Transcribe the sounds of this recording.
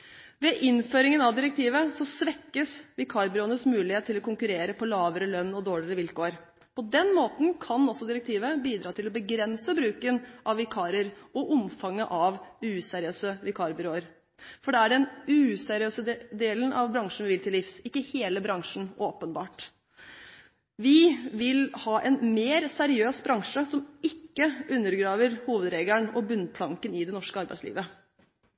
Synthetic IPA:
ʋɛʔɪnføːɾɪŋənɑʋd̪ɪɾəkt̪ʰiːʋəsɔsʋɛkːəsʋɪkʰɑːɾbʏɾoːənəsmʉːlɪheːt̪ʰːɪlɔkʊŋkʉɾeːɾəpʰɔlɑːʋəɾəlœnːɔd̪oːɭɪəɾəʋɪlkoːəɾ | pʰɔd̪ɛnmoːt̪n̩kʰɑnɔsːɔd̪ɪɾəkt̪ʰiːʋəbiːd̪ɾɑːt̪ʰɪlɔbəɡɾɛnsəbɾʉːkənʔɑʋɪkʰɑːɾəɾɔʔɔmfɑŋːəʔɑʋʉːsɛɾɪøːsəʋɪkʰɑːɾbʏɾoːəɾ | fɔɖɛæɖɛnʉːsæɾɪøːsəd̪eːlənʔɑ̰ʋbɾɑŋʂn̩ʋɪʋɪlt̪ʰɪlːɪfsɪkːəheːləbɾɑŋʂn̩oːpənbɑːʈ | ʋɪʋɪlhɑːʔɛnmeːɾsæɾɪøːsbɾɑŋʂəsɔmɪkːəʉnːəɾɡɾɑːʋəɾhuːʋəd̪ɾeːɡlæɳɔbʉnpʰlɑŋkənɪd̪ɛnɔʂkəɑɾbæɪslḭːʋə

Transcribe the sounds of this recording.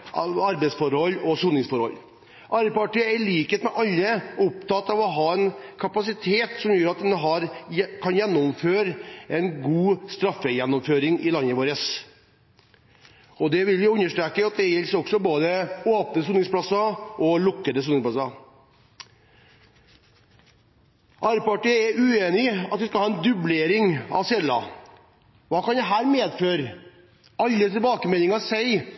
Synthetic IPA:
ɑɾbɛsfɔɾhɔlːɔsuːnɪŋsfɔɾhɔ̰lː | ʔɑɾəpɑʈiəæɭiːkət̪mɛʔɑlːəʊp̚t̪ɑt̪ːɑʋɔɦɑːɛnkʰɑpɑsɪt̪ʰeːt̪sɔmjøːɾɑt̪̚d̪ɛnːəɦɑɾkʰɑnjɛnːʊmføːɾɛnɡuːst̪ɾɑfːəjɛnːɔmføːɾɪŋɪlɑnːəʋoːɾəs | ɔd̪ɛʋɪlʋɪʉnːəʂʈ̪ɾeːkəɑt̪̚d̪ɛjɛlːsɾɔksɔboːd̪əoːp̪əsuːnɪŋsplɑsːɑʔɔlʊkːəd̪əsuːnɪŋspʰlɑsɑ | ʔɑːɾpɑʈiɛɾʔʉeːnɪɑ̰t̪ʋɪskɑlɑːɛnd̪ʉbleːɾɪŋɑ̰ʋsɛlːɑ̰ | ʋɑːkɑnjæɦæːɾmeːd̪føːɾ | ɑlːət̪ʰɪlbɑːkəmɛlɪŋɑsæɪ

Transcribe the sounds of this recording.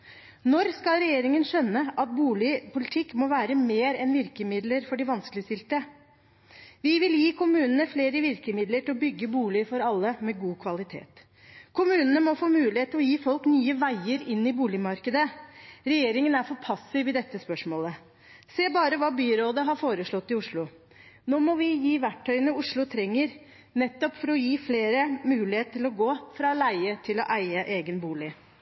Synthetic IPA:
nɔɾskɑlɾɛjeːɾɪŋənʃœnːəʔɑt̪̚buːlɪpʊlɪt̪ʰɪkːmɔʋæːɾəmeːɾɛnʋɪɾkəmɪd̪ləɾfɔɖɪʋɑnskəlɪəst̪ɪlt̪ə | ʋɪʋɪljiːkʰʊmʉːnənəfleːɾəʋɪɾkəmɪd̪ləʈʰɪlɔbʏɡːəbuːlɪfɔɾɑlːəmɛɡuːkʰʋɑlɪt̪ʰḛːt̪ | kʰʊmʉːnənəmɔfoːmʉːlɪheːt̪ʰːɔjiːfɔlknyːəʋæɪəɾɪnːɪbuːlɪmɑɾkəd̪əɾɛjeːɾɪŋənæɾfɔpʰɑsɪʋɪd̪ɛt̪ːəspœʂmoːlə | seːbɑːɾəʋɑːbyːɾoːd̪əɦɑɾfoːɾəʂɭɔt̪ːɪʊʂɭʊ | noːmɔʋɪjiːʋæʈʰːœʏənəʊʂɭʊt̪ʰɾɛŋːəɾ | nɛt̪ːɔpfɔɾɔjiːfleːɾəmʉːlɪeːt̪ət̪ʰɪlɔɡoːfɾɑlæɪət̪ʰɪlɔʔæɪəʔeːɡənbuːlɪ

